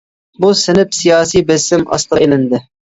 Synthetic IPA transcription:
busɪnɪpsijɑːsijbɛsɪmɑ̰st̪əelɪnd̪ɪ

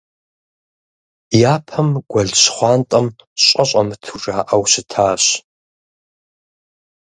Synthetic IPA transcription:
jaːpʰɐmɡʷɐɮɕχʷɑːntʼɐm | ɕʼɐɕʷʼɐmtʰuʐaːʔɐwɕɪtʰaːɕ

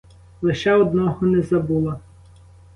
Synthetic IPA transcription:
lˠɪʃɛɔd̪nɔɦɔnɛzɐbulˠɐ

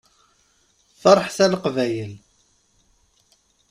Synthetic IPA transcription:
θɑɾˤħθælqvæjəl

